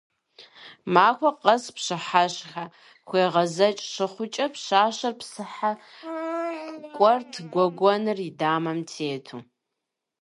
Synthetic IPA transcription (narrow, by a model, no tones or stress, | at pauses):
maːkʷɐqɐspɕɨħaɕxa | xʷeːʁɐzɐt͡ʃʼʂɨχʷʊt͡ʃʼɐpɕaːɕɐrpsɨħa | kʷʼɔrtʰɡʷɔɡʷɔnɨridaːmɐmtʰeːtʰu